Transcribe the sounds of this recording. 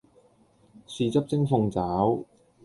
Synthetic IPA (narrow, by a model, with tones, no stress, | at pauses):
siː˧t͡sɐ˥p̚t͡sɪ˥ŋfʊ˧ŋt͡saː˨˥w